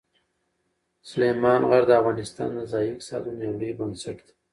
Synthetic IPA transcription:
sʊlemɑnɣaɾd̪əavɣɑnɪst̪ɑ̰nd̪əzɑjiksɑ̰d̪unewɽibənsaʈd̪i̥

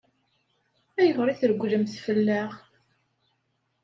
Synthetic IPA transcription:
æjəvɾˤiθəɾɡʷːðəmθfəlːæʁ

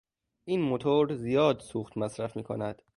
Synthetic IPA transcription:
ʔiːnmot̪ʰoɾzijɒːd̪suːxt̪mæsɾæfmiːkʰo̰næd̪̥

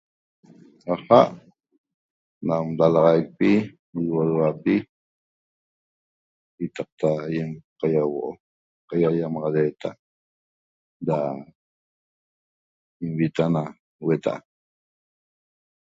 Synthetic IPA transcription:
ɑχɑʔ | namdalɑʁɑjk̚pi | iwoɾwapi | kit̪ɑq̚t̪ajemqajawoʔo | qajajamɑʁɑɾeːt̪a | da | imβit̪ana | wet̪a̰ʔa̰

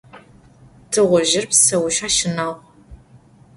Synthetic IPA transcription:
tʰɨʁʷʊʒɪrpsɐwʃaːʃɪnaːʁ

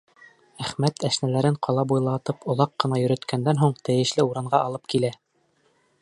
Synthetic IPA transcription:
æχmæt̪æʃnælæɾɘɴqɑlˠɑbujlˠɑt̪ɤpŏlˠɑqːɤ̆nɑjɵ̆ɾɵ̆t̪kʰænd̪ænɦuɴt̪ɘ̆jɘ̆ʃlɘuɾɑɴɢɑʔɑlˠɤp̚kilæ

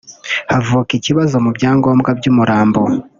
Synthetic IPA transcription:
havuːkiciβazo̞mubɟaːŋɡo̞ːmɡabɟuːmuɾʔaːmbo

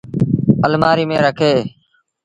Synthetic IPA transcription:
əlmaːɾiːmẽːɾəkʰeː

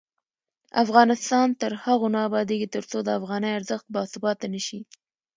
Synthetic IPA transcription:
a̰fɣɑnɪst̪ɑnt̪əɾhaɣonɑbɑd̪eɡit̪əɾt͡sod̪əafɣɑnəjaɾzəxt̪̚bɑsɪbɑt̪ːanəʃi

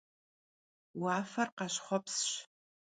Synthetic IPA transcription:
waːfɐrqɑʃχʷɔpʰsʃ

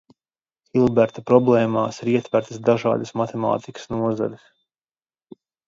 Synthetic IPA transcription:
xilˠbɛɾt̪apɾɔblˠɛːmaːsiɾiɛt̪væɾt̪asd̪aʒa̰ːd̪asmat̪ɛma̰ːt̪ikə̥snuɔza̰lus

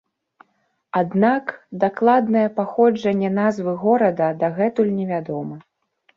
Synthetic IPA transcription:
ad̪nakd̪aklˠad̪̚nɐjɛpaxɔd͡ʐɐnʲːɛnazvɨɣɔɾɐd̪ɐd̪aɣɛt̪ulʲnʲɛvʲad̪ɔmɐ

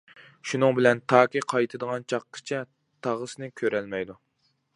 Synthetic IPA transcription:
ʃunɨŋbɪlɛnt̪ʰɑːkʲiqʰɑjt̪ʰɨd̪əʁɑnt͡ʃʰɑqːə̥t͡ʃʰɛ | t̪ʰɑʁəsnɨkʲʰøɾɛlmɛjd̪u

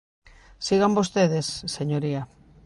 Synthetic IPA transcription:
siɣambost̪eðe̞sːe̞ɲoɾia

